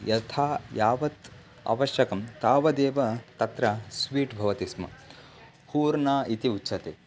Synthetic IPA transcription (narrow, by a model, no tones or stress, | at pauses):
jɐt̪ʰaːjaːʋɐt̪ | a̰ʋɐʃjɐkɐmt̪aːʋɐd̪eːʋɐt̪ɐt̪ɾɐsʋiːʈbʱɐʋɐt̪ismɐ̰ | huːɾnaːit̪iutːʃʰɐt̪eː